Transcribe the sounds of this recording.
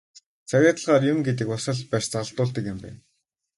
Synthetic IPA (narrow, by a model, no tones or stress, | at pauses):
t͡sʰæɣʲæːt̪ə̆ɮʁaːrjʊmɡet̪̬ɘ̆kʊsə̆ɮpæːʃt͡săɮt̪ʊːɮt̪ə̆kjɪ̆mpæ̰ːn